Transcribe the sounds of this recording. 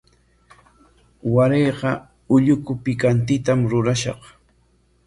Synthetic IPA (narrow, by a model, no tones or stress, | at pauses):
waɾejɢɑ | ʊʎʊkʊpɪkant̪ɪt̪amɾʊɾaʃɑ̰q